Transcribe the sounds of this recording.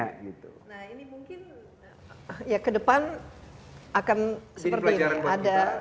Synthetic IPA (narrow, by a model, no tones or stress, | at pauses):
aɡit̪unahinimuŋkɪn | jakədəpan | akansəpərtliad͡ʒaada